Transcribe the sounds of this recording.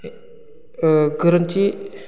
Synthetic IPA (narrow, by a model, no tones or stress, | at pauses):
ɡəɾənt͡ɕi